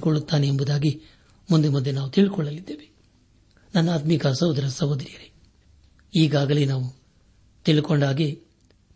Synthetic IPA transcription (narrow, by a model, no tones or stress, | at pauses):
kɔɭːut̪ːaːniembud̪aːɡi | mund̪emund̪enaːʋut̪iɭikɔɭːɐlid̪ːeːʋe | nɐnːaːt̪mikasɐwd̪ɐɾɐsɐɦod̪ɾijɐɾe | iːɡaːɡɐlenaːʋu | t̪iɭikoɳɖaːɡe